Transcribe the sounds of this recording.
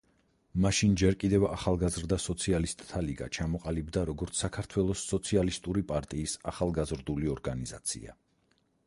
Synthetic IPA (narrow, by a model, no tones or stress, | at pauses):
maʃind͡ʒɛɾkʼid̪ɛva̰χalˠɡazɾd̪asɔt̪sʰialist̪ʼʰːaliɡa̰t͡ʃʰamɔqʼalibd̪aɾɔɡɔɾt̪sʰakʰaɾt̪ʰwɛlˠɔsːɔt̪sʰialist̪ʼuɾipʼaɾt̪ʼiːsaχalˠɡazɾd̪uliɔɾɡaniza̰t̪sʰḭa̰